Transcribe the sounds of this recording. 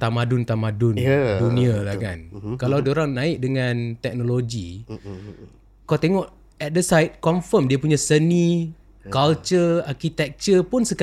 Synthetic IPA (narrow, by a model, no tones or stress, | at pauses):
t̪amadʊnt̪amadʊndunĩalahka̰nkalawdioɾaŋnãɪk̚dəŋãnt̪ɛk̚noloɡi | kawt̪eŋɔʔ | ɛt̪̚dəsajt̪̚kɔmfəmdiapuɲãsəni | kalt͡ʃərarkit̪ɛk̚t͡ʃəpʊnsək